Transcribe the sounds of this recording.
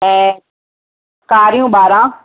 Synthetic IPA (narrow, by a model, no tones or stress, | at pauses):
ɛ̃ː | kaːɾijũːbaːɾãː